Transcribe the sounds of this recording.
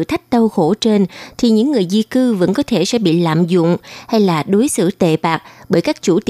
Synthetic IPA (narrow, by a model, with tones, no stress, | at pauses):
ɨ̰˧˨t̪ʰa˦˥jk̟̚ɗ̪ə˧wxo˧˩t͡ɕe˧nt̪ʰi˨˩ɲɨ̰˧˥ŋːɨ˨˩əjzi˧kɨ˧və̰˧˥nkɔ˨˦t̪ʰe˧˩sɛ̰˧˥ɓḭ˧˨la̰ː˧˨mzʊ̰˧˨ŋ͡mha˧jlaː˨˩ɗo˨˦jsɨ̰˧˥t̪ḛ˧˨ɓaː˨˩k̚ɓəː˧˩jkaː˦˥k̚t͡ɕu˧˩t̪i˧